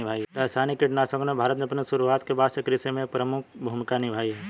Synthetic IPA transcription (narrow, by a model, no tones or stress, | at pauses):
ɪbʱaːiɾaːsaːnikɪʈnasə̃ŋɡomẽbʱaːɾət̪mẽɐpneʃʊɾuaːt̪kebaːd̪sekɾɪsemẽekpɾəmʊk̚ʰbʱuːmɪkanɪbʱaːiɦɛː